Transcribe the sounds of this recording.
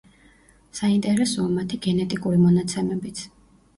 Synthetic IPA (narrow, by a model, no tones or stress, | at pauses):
saint̪ʼɛɾɛsɔamat̪ʰiɡɛnɛt̪ʼikʼuɾimɔnat̪sʰɛmɛbit̪sʰ